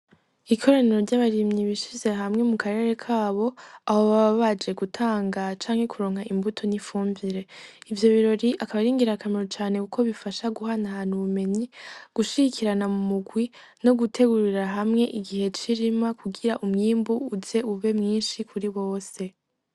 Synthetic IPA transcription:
ikʰo̞ɾaniɾo̞ɾɟaβaɾimɲiβiʃize̞ɦamŋe̞mukʰaɾe̞ɾe̞kʰaːβo̞aho̞βaβaβad͡ʒe̞ɡutʰaːŋɡat͡ʃaːŋhe̞kʰuɾo̞ːŋ̥haimbutʰo̞nifuːmbiɾe̞ivjo̞βiɾo̞ɾiʔakaβaɾiːŋɡiɾakamiɾot͡ʃaːne̞kukʰo̞βifaʃaɡuɦanahanhuβume̞ɲiɡ̥uʃiɡikʰiɾanamumuɡwi | no̞ɡutʰe̞ɡuɾiɾaɦamŋe̞ʔiɡihe̞t͡ʃiɾimakuɡiɾaʔumŋiːmbuːze̞uβe̞mŋiːnʃikʰuɾiβo̞ːse̞

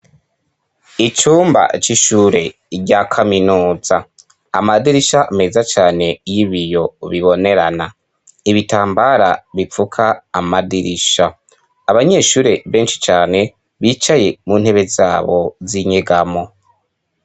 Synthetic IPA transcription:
it͡ʃuːmba̰t͡ʃiʃuːɾe̞ | ɾɟakʰaminuːza | a̰madiɾiʃame̞zat͡ʃaːne̞jiβijo̞βiβo̞ne̞ɾana | iβitaːmbaɾaβifukʰaːmadiɾiʃaː | βaɲe̞ʃuːɾe̞βe̞ːnʃi̥t͡ʃaːne̞ | βiːt͡ʃaje̞muːn̥he̞βe̞zaːβo̞ziɲeɡamo̞

